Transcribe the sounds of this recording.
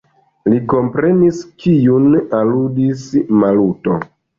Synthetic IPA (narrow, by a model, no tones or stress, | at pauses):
liko̞mpɾe̞niskijunaludismaluto̞